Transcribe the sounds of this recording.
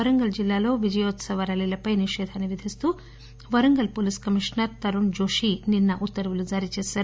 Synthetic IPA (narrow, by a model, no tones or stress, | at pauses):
ɐɾɐŋɡɐld͡ʒilːaːlo̞ːʋid͡ʒɐjoːt̪sɐʋɐɾɐlilɐpɐjniʂɛːd̪ʱɐniʋed̪ʱist̪uː | ʋɐɾɐŋɡɐlpoːliskɐmiʂnɐɾt̪ɐɾund͡ʒoːʂininːɐʔut̪ːɐɾɐʋulud͡ʒaːɾit͡ʃɛːʃaːɾu